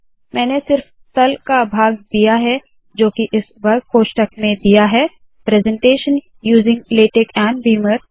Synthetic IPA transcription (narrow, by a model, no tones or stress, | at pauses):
mɛ̃ːnesɪɾf | t̪ɐlkabʱaːɡ̚d̪ijaɦɛ | d͡ʒoːkiʔɪsʋɐɾ̚koːʃʈəkmẽd̪ijaɦɛ | pɾɛːzɛ̃ɳʈeːʃən | juːzɪ̃ŋɡleːʈekɛ̃ːɳɖbiːməɾ